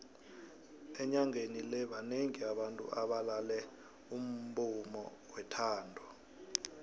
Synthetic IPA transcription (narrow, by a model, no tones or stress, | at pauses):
ɛɲaŋenilɛɓaneŋiaɓantʼṵʔaɓalalɛ | um̩bumɔ̰ | wɛtʰaːndʱɔ